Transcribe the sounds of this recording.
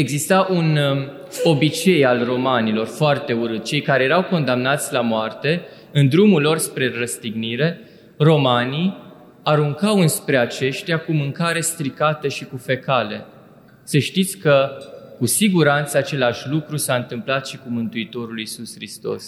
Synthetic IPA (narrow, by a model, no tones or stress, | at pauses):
e̞ɡzist̪aʔun | o̞bit͡ʃe̞jalro̞manilo̞rfoart̪e̞uɾɨt̪̚t͡ʃe̞jkaɾe̞je̞ɾawko̞nd̪amnat̪sʲlamoart̪e̞ | ɨnd̪ɾumulːo̞rspɾe̞ɾəst̪iɡniɾe̞ | ro̞mani | aɾuŋkawɨnspɾe̞at͡ʃe̞ʃt̪iakumɨŋkaɾe̞st̪ɾikat̪əʃikufe̞kale̞̰ | səʃt̪it̪sʲkəkusiɡuɾant̪səat͡ʃe̞laʃʲlukɾusaɨnt̪ɨmplat̪ʃikumɨnt̪uit̪o̞ɾulisusxɾist̪o̞̰s